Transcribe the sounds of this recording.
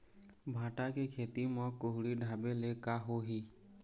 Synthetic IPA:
bʱãːʈakekʰeːt̪imə̃koɦɽiɖʱaːbelekaɦoɦiː

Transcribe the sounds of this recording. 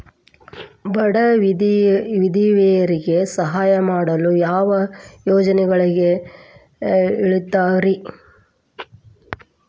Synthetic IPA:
bɐɽɐ | ʋid̪iʋɛjɐɾiɡe̞sɐɦaːjɐmaːɽɐlujaːʋɐjoːd͡ʒɐnɛɡɐɭiɡe | iɭit̪ːaːɾi

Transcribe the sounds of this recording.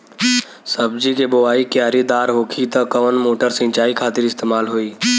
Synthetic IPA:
səbd͡ʒikeboʋaːikjaːɾid̪aːɾɦoːkʰit̪əkɐʋənmoːʈəɾsɪ̃nt͡ʃaːikʰaːt̪ɪɾɪst̪eːmaːlɦoiː

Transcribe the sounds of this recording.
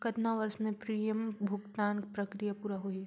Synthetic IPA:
kɐd̪naʋɐɾsmẽpɾiːjəmbʱʊɡt̪aːnpɾɐkɾijapuːɾaɦoi

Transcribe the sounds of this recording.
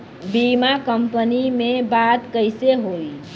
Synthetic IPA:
bimakəmpənimebat̪kəɪseɦoj

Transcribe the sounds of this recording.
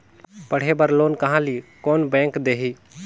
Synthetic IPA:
pəɽ̤ebəɾloːnkɐɦãːlikɔːnbɛ̃ːŋkd̪eːɦiː

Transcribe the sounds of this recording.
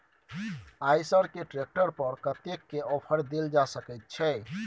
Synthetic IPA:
ajsəɾkeʈɾek̚ʈəɾpəɾkət̪ekːeɔpʰəɽd̪eld͡ʒasəkɛt̪̚t͡ʃʰɛ

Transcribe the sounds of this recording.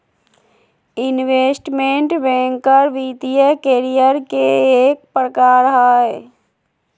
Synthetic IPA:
ɪnʋeːsʈmẽɳʈʋẽːŋkəɾʋiːt̪ijəkeːɾijəɾkeeːk̚pɾəkaːɾɦaːje

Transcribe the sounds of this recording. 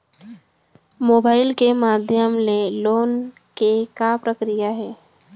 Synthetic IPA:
moːbaːɪlkemaːd̪ʱjəmleloːn | kekapɾəkɾijaɦɛː

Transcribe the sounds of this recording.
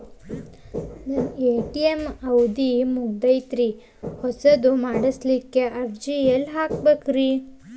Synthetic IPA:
nɐneːʈijemɐwd̪imuɡ̚d̪ɐjt̪ɾi | hɔsɐd̪umaːɽislikːeɐɾd͡ʒijɐlɦaːkbeːkɾi

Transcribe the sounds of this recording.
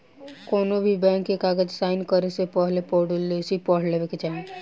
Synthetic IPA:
kɔːnobʱibɛ̃ːŋkːekaːɡəd͡ʒsaːɪnkəɾesepɔɦlepɔɽlesipɔɽ̤leʋeked͡ʒaːɦẽ

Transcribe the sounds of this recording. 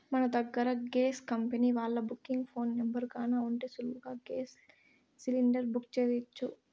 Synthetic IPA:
mɐnɐd̪ɐɡːɐɾɐɡeːskɐmpeniʋaːɭːɐbukːiŋɡpʰoːnːembɐɾkaːnaːuɳʈeːsuluɡaːɡeːsː | iliɳɖɐɾbukt͡ʃeːɾit͡ʃːu

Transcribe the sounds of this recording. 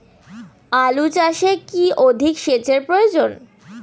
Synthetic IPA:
alut͡ɕaʃekiod̪ʱikʃet͡ɕeɾpɾojod͡ʑon

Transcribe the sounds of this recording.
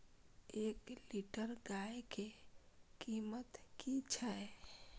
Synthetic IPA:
eːkliʈəɾɡaekekimət̪kit͡ʃʰae

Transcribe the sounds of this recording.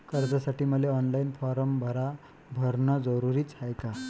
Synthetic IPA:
kəɾd͡zasaʈiːməleɔnlainfɔɾəmbʱəɾa | bʱəɾnad͡zəɾuɾiːt͡sajka

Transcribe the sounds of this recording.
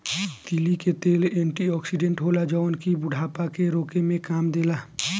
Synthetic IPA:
t̪iliket̪eːlẽːɳʈiɔːksiɖẽɳʈɦoːlad͡ʒəʊnkibʊɖʱaːpakeɾoːkemẽkaːmd̪eːlaː

